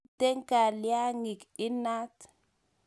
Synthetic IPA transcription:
te˦ŋka˨lja˦ŋi˨kɪ˦na˦t

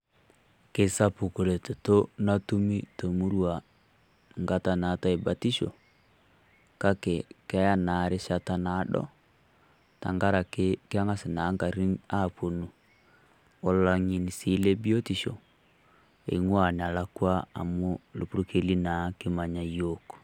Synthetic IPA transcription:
ke˨sa˦pu˨ko˨le˨to˨to˦na˦tu˦mi˦to˨mu˦ɾwa˨ | ŋɡa˦ta˨na˨ta˨e˨ba˨ti˦ʃo̰˨ | ka˦ke˨ka˦ja˦na˨ɾe˦ʃa˨ta˦na˨˦ɗɔ̰˦ | ta̰˨ŋɡa˦ɾa˨keke˦a˦ŋa˦se˨na˨˦ŋɡa˨ɾi˦na˦˨po˨nu˨ | o˨lla˨ŋi˨ni˨si˦le˦bi˦o˦ti˨ʃo˨ | ḛ˨ŋwa˨ne˨a˨lakwa˦a̰˨mo˦lo˨pu˦ɾu˦ke˦li˦na˨ke˦ma˨ɲa˨joko̥˨

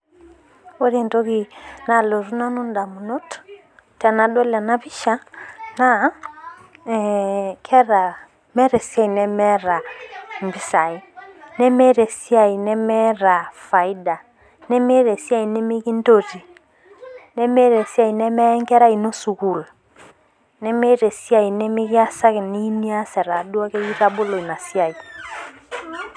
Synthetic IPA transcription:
wo˦ɾi˦˨nto˦ki˦na˨lo˨ɾu˦na˦nu˦nda˨mu˨nɔ˦t | tɛ˨na˨ɗɔ˦lɛ˨na˦βi˦ʃa˦na˦ | kʰɛ˦ɾa˨ | mɛ˦ɾɛ˨si˦a˦i˨nɛ˦mɛ˦ɾa˨mbi˦sa˨i˦nɛ˦mɛ˦ɾe˨si˦a˨i˨nɛ˦mɛ˦ɾa˨fa˨i˦da˨ | nɛ˦me˦ɾe˨si˦a˦i˨nɛ˦mi˦ki˦n˦do˦ti˨ | nɛ˦mɛ˦ɾe˨si˦a˦i˨nɛ˦mɛ˦ŋkɛ˦ɾa˦i˨no˦su˨ku˨l | nɛ˦mɛ˦ɾe˨si˦a˦˨i˨nɛ˦mi˦ki˦a˦sa˦ki˨ni˦ni˦a˦sɛ˨ɾa˨du˦a˦ke˦i˦ɾa˦bo˦lo˨i˨na˨si˦a˨i˨

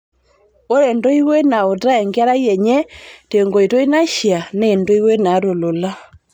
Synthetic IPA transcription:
o˦ɾe˨ndo˦i˦we˦na˨o˨ta˦ɛ˨ŋɡa˦ɾa˦iɛ˨ɲɛ˦te˨o˨ŋɡo˨i˨to˦i˦na˦ʃja˨ne˦˨ndo˦i˦we˦na˨˦ɾo˨lo˨la˦

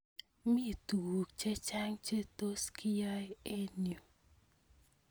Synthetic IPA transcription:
mi˦˨tu˨wu˨k̚t͡ʃe˦t͡ʃa˦ŋt͡ʃe˦t̪o˦skɪ˦jɔ˦je˦n˨o˨

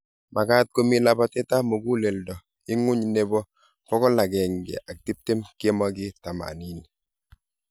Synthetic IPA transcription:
ma˨ka˦t̚ko˦mi˦la˦ba˦tɛ˦ta˦mo˨ɡu˦le˨ldɔ˨ | ɪ˦ŋʊ˦ɲne˦bɔ˦ | pɔ˦kɔ˦la˨ɡɛ˨ŋɡɛ̰˨ʔa˨k̚ti˦p̚te˦mki˦e˦ma˦ɡɪ˦ta˨ma̰˨ni˦ni˨

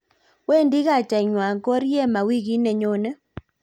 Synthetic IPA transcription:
we˦ndi˦ɣa˦˨t͡ʃa˨i˨ɲwa˨ŋkɔ˦ɾjɛ˦ma˨wi˦ɣi˦ne˨ɲo˦nɛ˦

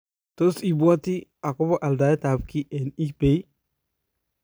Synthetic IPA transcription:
to˦si˨bu˦a˦ti˦a˨ko˦bo˦ʔa˨lda˨˦jta˨bki˦ʔe˨ni˦kbe˨˦

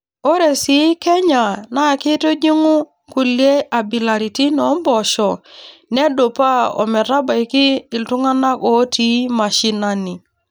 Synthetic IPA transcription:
o˦ɾe˨si˦kɛ˦ɲa˨na˨kɪ˦to˦d͡ʒi˦ŋu˦ | ku˨lje˦ʔa˨bi˨la˨ɾi˨ti˦nɔ˨˦mbɔ˨ʃɔ˨ne˦do˨pa˦ɔ̰˨mɛ˨ɾa˦ba˨i˨kiː˦˨ltu˦ŋa˦na˦ko˨˦ti˨˦ma˨ʃi˦na˦ni˨

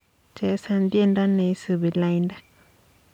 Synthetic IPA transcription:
t͡ʃe˨˦sa˧nd̪je˦˧nda˦nẽ˧˦sɨ˧βi˨la˧jnda˦

